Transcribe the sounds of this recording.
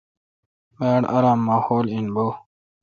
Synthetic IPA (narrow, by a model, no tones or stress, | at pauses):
meːɽɐ̰ɾaːmːaːhoːlinbo